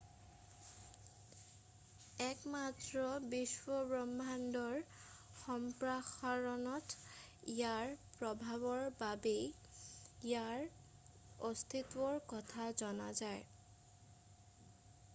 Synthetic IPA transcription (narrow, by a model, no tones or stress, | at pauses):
ɛkmatɹɔbiswɔbɹɔmbʱandɔɹ | xɔmpɹaxaɹɔnɔt | ijaɹpɹɔbʱabɔɹbabej | ijaɹ | ost̪ʰitwɔɹkɔtʰazɔna̰zaj